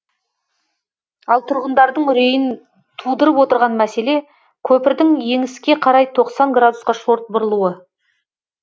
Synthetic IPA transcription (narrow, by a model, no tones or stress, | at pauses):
ɑlˠt̪ʰʊɾʁənd̪ɑɾd̪əɴʏɾe̞jɪn | t̪ʰud̪əɾəpwot̪əɾʁɑnmæse̞le̞ | kʲʰɵpɪɾd̪ɪŋje̞ŋɪskʲe̞qʰɑɾɑjt̪ʰo̞qsɑŋɡrad̪usqɑʃo̞ɾt̪̚bʊɾəlˠuwə